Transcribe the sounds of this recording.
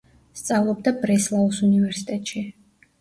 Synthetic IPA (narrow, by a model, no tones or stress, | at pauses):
st̪sʼavlˠɔb̚d̪abɾɛslˠaɔsunivɛɾsit̪ʼɛt̪ʼʃi